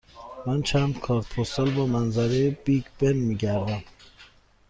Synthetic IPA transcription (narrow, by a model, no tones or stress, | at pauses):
mænt͡ʃʰænd̪kʰɒːɾt̪pʰost̪ɒlbɒːmænzæɾejebiɟb̥enmiːɟæɾd̪æm